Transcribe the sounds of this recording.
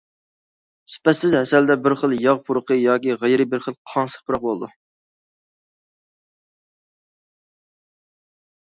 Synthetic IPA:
sy̥pɛt̪sɪzhɛsɛld̪ɛbɪɾχəlˠjɑʁpʰuɾəqəjɑːkʲiʁejɾɪbɪɾχəlˠqʰɑŋsə̥q̚pʰʊɾɑq̚bolˠd̪u

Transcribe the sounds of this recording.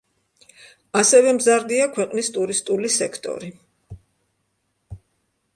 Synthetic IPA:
asɛvɛmzaɾd̪iakʰwɛqʼnist̪ʼuɾist̪ʼulisɛkʰt̪ʼɔ̰ɾi

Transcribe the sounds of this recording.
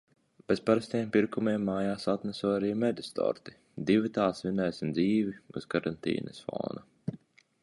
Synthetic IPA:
b̥ezpaɾasʲt̪iɛmpiɾkumiɛmːaːjaːsat̪nɛsuɔaɾiːmɛd̪ist̪ɔ̰ɾt̪i̥ | d̪ivit̪aːsvinɛːjsimd̪ziːviṵz̥kaɾant̪ḭːnɨsfɔ̰ːna

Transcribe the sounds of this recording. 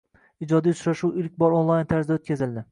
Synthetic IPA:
ɪd͡ʒɒd̪ijʊt͡ʃɾaʃuwɪlkʲbɒɾonlˠajnt̪ʰaɾzɪd̪ot̪̚ʲkʲazɪld̪ɪ

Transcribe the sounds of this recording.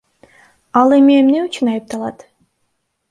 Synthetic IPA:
ɑlˠe̞miemneyt͡ʃynɑjɯp̚t̪ɑlˠɑt̪

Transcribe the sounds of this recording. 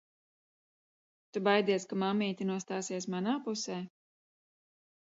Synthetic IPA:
t̪ubajd̪iɛskamamːiːt̪ʲinuɔst̪aːsiɛsmanaːpusɛː

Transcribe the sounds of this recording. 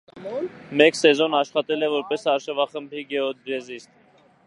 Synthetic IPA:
mɛksɛzɔnɑʃχɑt̪ɛlɛvɔɾpɛsɑɾʃɛvɑχəmbiɡɛɔd̪̚ɾɛzist̪̚

